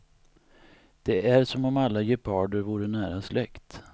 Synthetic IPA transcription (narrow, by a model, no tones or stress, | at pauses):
d̪̥ɛæɾʂɔmɔmalːajɛpʰɑːɖəɾvuːɾəɳæːɾaslɛkt̪